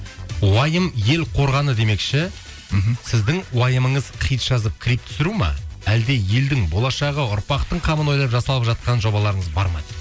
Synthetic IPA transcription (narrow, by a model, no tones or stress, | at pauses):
wɑjəmje̞lqʰo̞ɾʁɑnəd̪e̞me̞kʃɪ | sɪzd̪ɪŋwɑjəməɴəzqʰijt̪ʒ̥ɑzəp̚kʲʰɪɾip̚t̪ʰʏ̥sɪɾumɑ̰æld̪e̞je̞ld̪ɪŋbo̞lˠɑʃɑʁəʊɾpɑqt̪əɴqʰɑməno̞jlˠpʒɑsɑlˠəpʒɑt̪̚qɑnʒo̞bɑlˠɑɾəɴəzbɑɾmɑ̰jd̪ə